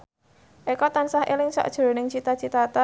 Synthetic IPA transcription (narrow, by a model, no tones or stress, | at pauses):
ʔekɔt̪ansahḛlɪŋsɔ̰ʔd̥ʒ̥əɾo̤nɪŋt͡ʃit̪at͡ʃit̪at̪a